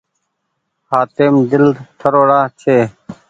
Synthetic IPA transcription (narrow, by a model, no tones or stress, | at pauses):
haːt̪eːmd̪ɪlʈ̪ʰəɾoːɽaːt͡ʃʰeː